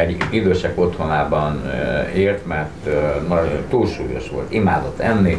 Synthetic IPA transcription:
ɛɟid̪øːʃɛko̞t̪honaːbɒneːrt̪mɛrt̪nɒt̪uːlʃuːjo̞̰ʃʋo̞̰lt̪imaːd̪o̞t̪ːɛnːi

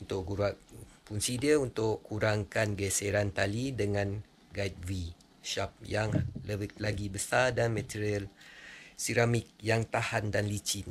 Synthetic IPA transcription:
unt̪ʊʔɡuɾak̚punsidiəunt̪ʊʔkuɾaŋkanɡeseɾant̪alidəŋãn | ɡajt̪̚vi | ʃap̚jaŋləlaɡibəsadanmɛ̃t̪iɾiəl | siɾamik̚jaŋt̪ahandanlit͡ʃin

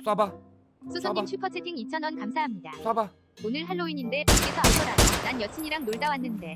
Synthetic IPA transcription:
s͈ba | sʰusʰoɲːimt͡ɕʰupʰʌt͡ɕʰetʰiŋit͡ɕʰʌnwʌnkamsʰaɦamɲidaba | onɯɭɦaɭːoiɲinde̞pak͈esʰʌhaɭkʰʌɾadonanjʌt͡ɕʰiɲiɾaŋnoɭdawanːɯnde̞

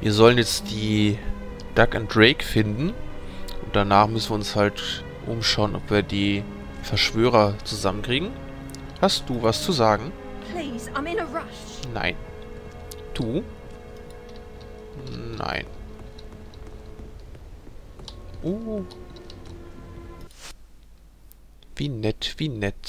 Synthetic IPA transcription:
viːɐzɔlənjɛt͡std̥iː | d̥akʊnt̚d̥ʁeɪkfɪndn̩ʔʊnt̚d̥anaːχmʏsn̩viːɐʊnshalt | ʔʊ̰mʃaʊənʔɔ̰pv̥iːɐdiː | fɛɐʃv̥øːʁ̞ɐt͡suzamənkʁ̥iːɡŋ̩ | hastd̥uːvast͡suzaːɡŋ̩ | pʰl̥iːzãɪ̃mɪ̃nəɹʌʃ | na̰ɪn | d̥uː | na̰ɪn | ʔoː | viːnɛtv̥iːnɛt

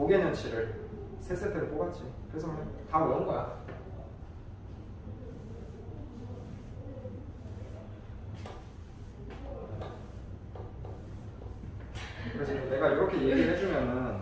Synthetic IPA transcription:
oɡenɯnt͡ɕʰiɾɯɭ | sʰesʰetʰɯɾop͈oɡat͡ɕ͈ʰiokɯɾe̞sʰʌkʌntauʌnɡʌata | kɯɾed͡ʑʰiɯne̞ɡaiɾʌkʰe̞jeɡɯɦed͡ʑumjʌnɯn

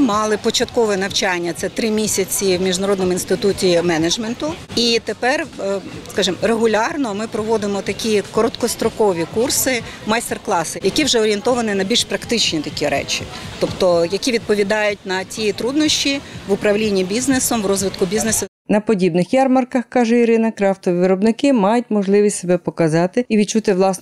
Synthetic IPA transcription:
mɑlˠɪpɔt͡ʃɐt̪kɔʋɛnɐwt͡ʃɑnʲːɐt̪sɛt̪ɾɪmʲisʲɐt͡sʲiwmʲiʒnɐɾɔd̪nɔmʊinst̪ɪt̪utʲimɛnɐd͡ʒment̪ʊit̪epɛrskɑʒɪmreɦʊlʲɑrnɔmɪpɾɔʋɔd̪ɪmɔt̪ɐkʲikɔɾɔt̪kɔst̪ɾɔkɔʋʲikursɪ | mɐjst̪erklˠɑsɪjɐkʲiwʒɛɔɾʲient̪ɔʋɐnɪnɐbʲilʲʃpɾɐkt̪ɪt͡ʃnʲit̪ɐkʲiɾɛ̰t͡ʃʲḭt̪ɔpt̪ɔjɐkʲiʋʲid̪̚pɔʋʲid̪ɑjʊt̚ʲnɐt͡sʲijit̪ɾud̪nɔʃʲt͡ʃʲiʋʊpɾɐwlʲinʲːibʲiznesɔmʋrɔzʋɪt̪kʊbʲiznesɐ | nɐpɔdʲibnɪxjɑrmɐrkɐxkɑʒɛiɾɪnɐkɾɑft̪ɔʋʲiʋɪɾɔbnɪkɪmɑjʊt̚ʲmɔʒlˠɪʋʲisʲtʲsebɛpɔkɐzɑt̪ɪiʋʲid̪t͡ʃut̪ɪʋlˠɑsn

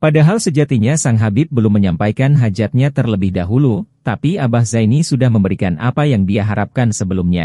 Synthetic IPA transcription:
padaɦalsəd͡ʒat̪iɲasaŋɦabɪp̚bəlʊmːəɲampajkanɦad͡ʒat̪̚ɲat̪ərləbɪhdaɦulut̪apiabahzainisudahməmbəɾikana̰pajaŋdiaɦaɾap̚kansəbəlumɲa̰

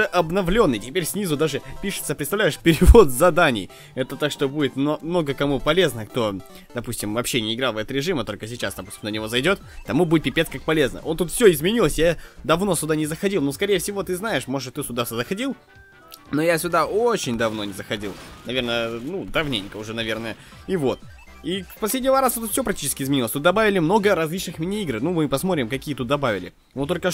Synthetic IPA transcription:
ɛʔɐbnɐvlʲo̞nːɨjtʲɪpʲeɾʲsʲnʲizʊd̪aʐɨpʲiʂɨ̥t̪səpɾʲɪt̪t̪ɐvlʲæɪʂpʲɪɾʲɪvo̞t̪zɐd̪anʲɪ̰j | ɛt̪ət̪akʂt̪o̞budʲɪt̪mmno̞ɡəkɐmupɐlʲe̞znəkt̪o̞ | d̪̥ɐpusʲtʲɪmvɐpɕːenʲɪɪɡɾɑlˠvɛt̪ɾʲɪʐɨmət̪o̞lʲkəsʲɪt͡ɕasd̪ɐpu̥sʲt̪ʲɪmnənʲɪvo̞zɐjdʲo̞t̪t̪ɐmubuɪt̪̚ʲpʲɪpʲeskak̚pɐlʲe̞znə̰ʔo̞nt̪ut̪fsʲɵɪzmʲɪnʲilˠəsʲjad̪ɐvno̞sʲʊd̪anʲɪzəxɐdʲilˠnuskɐɾʲejəfsʲɪvo̞t̪ɨznajɪʂmo̞ʐɨt̪ɨsʲʊd̪aszəxɐdʲilˠ | no̞jasʲʊd̪aot͡ɕɪnʲd̪ɐvno̞nʲɪzəxɐdʲilˠnɐvʲe̞rnəjənud̪ɐvnʲenʲkəʊʐɛnɐvʲe̞rnəjə | ivo̞t̪ | ipɐsʲlʲedʲnʲɪvɐɾasɐt̪ut̪fsʲo̞pɾɐk̚tʲit͡ɕɪ̥skʲɪzmʲɪnʲilˠsʲt̪ut̪d̪ɐbavʲɪlʲɪmno̞ɡəɾɐzʲlʲit͡ɕnɨxmʲɪnʲɪiɡɾnumɨpɐsmo̞t̪ɾʲɪmkɐkʲijət̪ut̪̚d̪ɐbavʲɪlʲɪ̰ | not̪o̞lʲkə

